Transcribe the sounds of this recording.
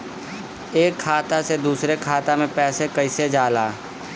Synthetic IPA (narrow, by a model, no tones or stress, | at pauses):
eːkʰːaːt̪ased̪uːsɾekʰaːt̪amẽpɛːsekəɪsed͡ʒaːlaː